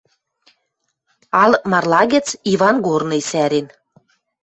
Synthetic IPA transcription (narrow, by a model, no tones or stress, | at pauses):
ɑlɤmɑrlˠɑɣɘ̆t͡siβɑnɡornɤ̆jsæɾen